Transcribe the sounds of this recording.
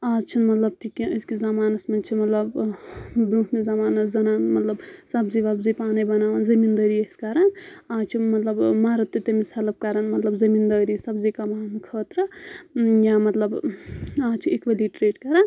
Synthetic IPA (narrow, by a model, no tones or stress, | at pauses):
aːt͡ʃʰinmɐt̪lɐb̚t̪ʰikiəskizamaːnɐsmɐnt͡ʃʰimɐt̪lɐb | bɾukʰmezamaːnɐzɐnaːnmɐt̪lɐbsɐbziʋabzipaːnibɐnaːʋɐnzɐmind̪əɾieskaɾɐnaːt͡ʃʰimɐt̪lɐbmaɾɐt̪ːjut̪emisɐlɐb̚kaɾɐnmɐt̪lɐbzɐmiːnd̪ɐɾisɐbzikɐmaːmikʰəːt̪ɾɐ | jamɐt̪lɐbaːt͡ʃʰiekʋeliʈɾeːʈkɐɾɐn